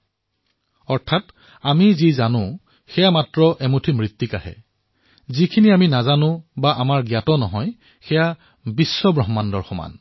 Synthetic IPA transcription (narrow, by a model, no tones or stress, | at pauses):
ɔɹtʰat | amizizanʊ̃ | xɛjamatɹɔʔɛmutʰimɹit̪ːika̰hɛ̰ | zikʰiniaminazanʊ̃baʔamaɹɡjatɔnɔɦɔj | xɛja | bisːɔbɹɔɦmandɔɹxɔma̰n